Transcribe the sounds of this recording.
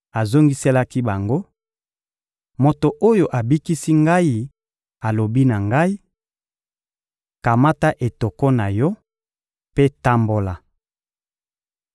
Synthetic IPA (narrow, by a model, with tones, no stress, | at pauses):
a˨zo˦ŋɡi˦se˦la˦ki˦ba˨ŋɡo˦ | mo˨to˨ʔo˦jo˨ʔa˨bi˦ki˦si˦ŋɡa˦ji˦ | a˨lo˨bi˦na˨ŋɡa˦i˦ | ka˨ma˦ta˦ʔe˨to˨kɔ˦na˨jɔ˦ | pe˦ta˦mbo˦la˨